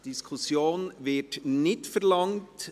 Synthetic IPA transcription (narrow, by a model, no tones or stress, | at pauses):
d̥ɪskʰʊsjoːnʋɪtnɪtfɛɾlɑŋt